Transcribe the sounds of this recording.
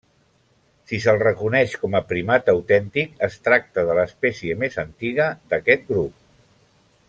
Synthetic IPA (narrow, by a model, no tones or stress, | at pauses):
sisəlˠrəkunɛʃkɔməpɾimat̪əwt̪ɛnt̪ikəst̪ɾak̚t̪əðələːspɛsiəmezənt̪iɣ̞əd̪əkɛt̪̚ɡɾup̚